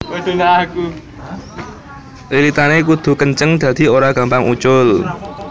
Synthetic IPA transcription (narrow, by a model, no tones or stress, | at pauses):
od̪̥onaku | lilit̪anekud̪̥ṳkəɲt͡ʃəŋd̪̥a̤d̪̥i̤oɾaɡ̥ä̤mpaŋʔut͡ʃʊl